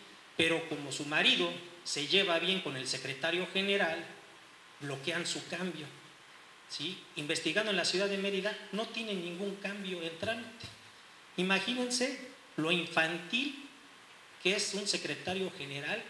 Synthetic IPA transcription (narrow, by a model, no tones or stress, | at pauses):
pe̞ɾo̞ko̞mo̞sumaɾiðo̞se̞ʝe̞βaβje̞ŋko̞ne̞lse̞kɾe̞t̪aɾjo̞xe̞ne̞ɾal | blo̞ke̞ansukambjo̞ | siimbe̞st̪iɣand̪oe̞nlasjuðaðeme̞ɾiðano̞t̪je̞nenːĩŋɡuŋkambjo̞ent̪ɾant̪e̥ | imaxine̞nse̞ | lo̞iɱfant̪il | keesunse̞kɾe̞t̪aɾjo̞xe̞ne̞ɾal